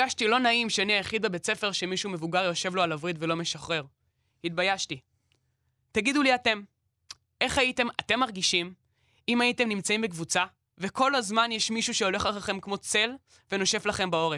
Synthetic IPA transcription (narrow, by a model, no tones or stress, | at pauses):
aʃtilo̞naimʃeaniajaχid̪̚bebe̞t͡se̞fe̞ʁʃe̞miʃume̞vuɡaʁjo̞ʃe̞vlo̞alavʁidve̞lo̞me̞ʃaχʁe̞ʁ | hit̪̚bajaʃti | taɡid̪uliate̞m | e̞χaite̞mate̞mːaʁɡiʃim | imaite̞mnimt͡saĩmbekvut͡sa | ve̞ko̞lazmanjeʃmiʃuʃeo̞le̞χaχaχe̞mkmo̞t͡se̞l | ve̞no̞ʃe̞flaχe̞mbao̞ʁe